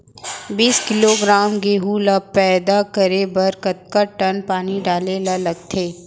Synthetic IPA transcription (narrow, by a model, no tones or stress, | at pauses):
biːskɪloɡɾaːmɡeːɦulapɛːd̪akəɾebɐɾkɐt̪̚kaʈɐnpaːniɖaːlelalɐɡt̪ʰeː